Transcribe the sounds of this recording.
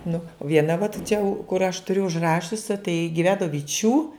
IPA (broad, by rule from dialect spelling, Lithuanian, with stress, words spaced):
nʊ ˈʋʲiɛnɐ ʋɐt t͡ʃʲɛ kʊr ɐʃ tʊˈrʲʊ ʊʒˈrɑːʃʲʊsʲɪ tɐɪ ɡʲɪˈʋʲæːnoː ʋʲɪˈt͡ʃʲuː